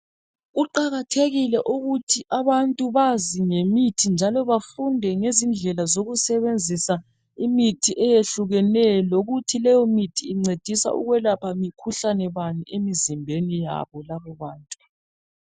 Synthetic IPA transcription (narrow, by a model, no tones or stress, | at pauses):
ɣuǃaɣatʰeɣilɛʔuɣutʰiʔaβantʼuβaziŋemitʰind͡ʒʱalɔβafundʱɛŋezind͡ɮʱɛlazoɣusɛβend͡zʱisa | imitʰiʔɛjeɬuɣɛnɛloɣutʰilɛjɔmitʰiːŋ͡ǀed̥ʱisa̰ʔṵɣwɛlapʰamikʰuɬanɛβaniemizimbʱenija̰βɔlaβɛβaːntʼu